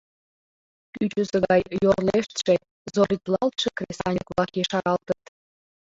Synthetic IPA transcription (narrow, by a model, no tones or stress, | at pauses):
kyt͡ɕəzəɣɑjjorleʃt̪ʃe | zoɾʲit̪lɑlt̪ʃekrʲesɑnʲikβlɑkjeʃɑɾɑlt̪ət̪